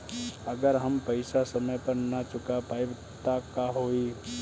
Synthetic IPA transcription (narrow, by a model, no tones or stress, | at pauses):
əɡəɾɦɐmpəɪsasɐməjpəɾnɐt͡ʃʊkapaːib | t̪akaɦoːiː